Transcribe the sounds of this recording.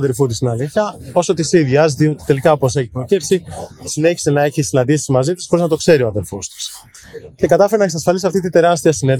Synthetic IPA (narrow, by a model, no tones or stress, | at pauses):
ɐðeɾfut̪̬ist̪inɐliçɐo̞so̞t̪isiðʝɐzðiot̪i̥t̪e̞likɐopose̞çipɾocepsisine̞çi̥se̞nɐe̞çisinɐnd̪isizmɐzit̪isxo̞ɾiznɐt̪o̞kse̞ɾio̞ɐðeɾfo̞st̪i̥s | ce̞kɐt̪ɐfeɾenɐeksɐsfɐlisɐft̪it̪ind̪e̞ɾɐst̪iɐsinen